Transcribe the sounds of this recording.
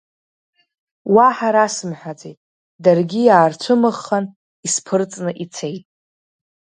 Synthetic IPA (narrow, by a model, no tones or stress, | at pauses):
waħaɾasɨmħʷᶣat͡sʼejtʼ | darɡʲijaːrt͡ʃʷʰɨmɨχːan | ispʰɨrt͡sʼnɨʔit͡sʰe̞jtʼ